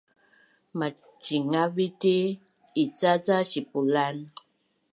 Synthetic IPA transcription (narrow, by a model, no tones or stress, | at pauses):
ma | t͡ʃiŋavitiː | t͡sazaɕipulan